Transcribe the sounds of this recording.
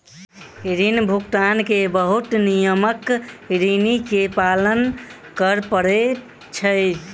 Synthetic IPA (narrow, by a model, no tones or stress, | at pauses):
ɾinbʱukt̪ankebəɦut̪nijəməkɾinikepalən | kəɾpəɾe | t͡ʃʰəj